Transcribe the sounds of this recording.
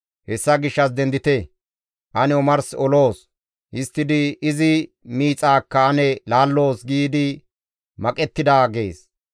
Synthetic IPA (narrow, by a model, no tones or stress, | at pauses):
hɛsːɐɡɪʃːɐs̬d̪ɛnd̪ɪt̪ɛ | ʔɐnɛɔmɐɾsɔlo̞ːs | ɪst̪ːɪd̪ɪɪzɪ | miːt͡sʼaːkːɐɐnɛlaːlːo̞ːsɡiːd̪ɪ | mɐkʼɛt̪ːɪd̪aːɡe̞ːs